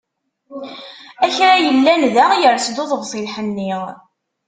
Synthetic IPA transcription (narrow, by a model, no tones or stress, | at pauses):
æçɾajəlːænðæʁjəɾsd̪oðˤəʁsˤilħənːiʁ